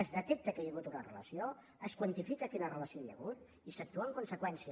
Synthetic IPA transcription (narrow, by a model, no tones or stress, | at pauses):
əzðət̪ɛk̚t̪əkajaɣut̪unərələsio | əskwant̪ifikakinərələsioʎjə̰ɣut̪ | isək̚t̪uaəŋkunsəkwɛnsi